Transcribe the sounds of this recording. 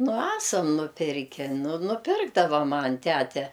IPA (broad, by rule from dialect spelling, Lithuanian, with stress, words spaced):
nʊ ˈæːsɐm nʊˈpʲɪrʲkʲɛ nʊ nʊˈpʲɪrɡdɐʋɐ ˈmɐnʲ ˈtʲætʲɛ